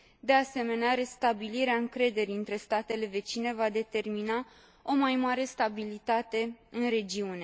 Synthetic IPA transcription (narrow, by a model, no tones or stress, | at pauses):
d̪e̞ase̞me̞neaɾe̞st̪abiliɾeaɨŋkɾe̞d̪e̞ɾiɨnt̪ɾe̞st̪at̪e̞le̞ve̞t͡ʃine̞vad̪e̞t̪e̞rmina | o̞majmaɾe̞st̪abilit̪at̪e̞ɨnɾe̞d͡ʒiune̞